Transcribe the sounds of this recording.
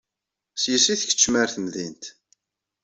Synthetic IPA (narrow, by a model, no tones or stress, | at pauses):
sjəsiθə̥çə̥t͡ʃːmæɾθəmðint̪